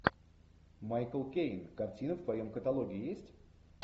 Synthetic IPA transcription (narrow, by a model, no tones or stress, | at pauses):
majkəlˠkʲejnkɐrtʲinəvt̪vɐjomkət̪alˠoɡʲɪːjesʲtʲ